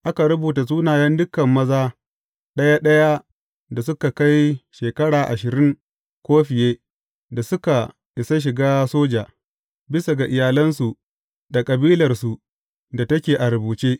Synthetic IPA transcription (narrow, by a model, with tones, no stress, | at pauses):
ʔa˦ka˨ɾʊ˦buː˨ta˨s̬uː˦naː˨jɐ˦ndʊ˦kːɐ˨mːɐ˦zaː˦ | ɗɐ˦ja˦ɗɐ˦ja˦ | da˨s̬ʊ˦ka˨ka˦jʃeː˨kɐ˦ɽaː˨ʔa˨ʃɪ˨ɾɪ˦ŋ | kʷoː˦ɸɪ˨jeː˦ | da˨sʊ˦ka˨ | ʔɪ˨sa˦ʃ̬ɪ˨ɡaː˦soː˦d͡ʒaː˨ | bɪ˦sa˨ɡa˨ʔɪ˨jaː˨lɐ˦nsu˨ | da˨kʼɐ˨biː˦lɐ˨rsu˨ | da˨tɐ˦kʲeː˨ʔa˨ɾɐ˨buː˨t͡ʃeː˦